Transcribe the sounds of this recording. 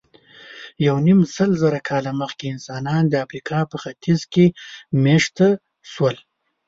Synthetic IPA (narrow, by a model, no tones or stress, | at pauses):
jawnimsəlzaɾakʰɑlaməxkeɪnsɑnɑnd̪əafɾikʰɑpəxat̪ʰizkemeʂt̪a | swəl